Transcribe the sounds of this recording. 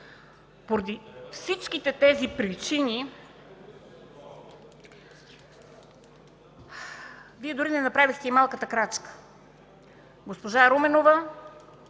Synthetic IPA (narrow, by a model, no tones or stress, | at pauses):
poɾɐd̪ifsit͡ʃkit̪ɛt̪ɛzipɾit͡ʃini | viɛd̪oɾinɛnɐpɾavixt̪ɛimalˠkət̪əkɾat͡ʃkə̥ | ɡospoʒaɾomɛnovə